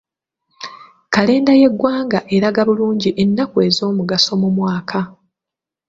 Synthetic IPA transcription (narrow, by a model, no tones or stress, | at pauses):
kale̞ːndaje̞ɡwaːŋɡaʔe̞ɾaɡaβuluːɲɟiʔe̞nːakue̞zo̞ːmuɡaso̞mumwaːkʰa